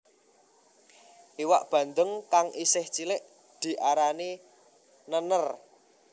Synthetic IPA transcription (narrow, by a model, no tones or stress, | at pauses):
ʔiwa̰ʔb̥ä̤nd̪əŋkaŋʔisɪht͡ʃilɪʔ | d̪̥i̤ʔaɾani | nənər